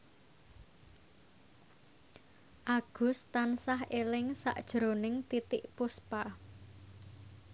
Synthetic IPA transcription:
ʔaɡ̥ṳst̪ansahʔelɪŋsa̰ʔd̥ʒ̥ɾonɪŋt̪it̪ɪʔpuspa

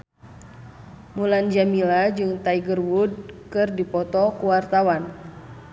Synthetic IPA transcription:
muland͡ʒamilad͡ʒɨŋt̪aiɡərwud̚kɨrdipɔt̪ɔkuwart̪awan

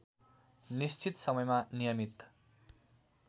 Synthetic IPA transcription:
nist͡ɕʰit̪sʌmʌjmanijʌmit̪

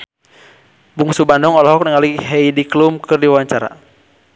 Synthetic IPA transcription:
buŋsubandɔŋɔlɔɦɔk̚nəŋaliɦɛidiklumkɨrdiwawaɲt͡ʃaɾa̰

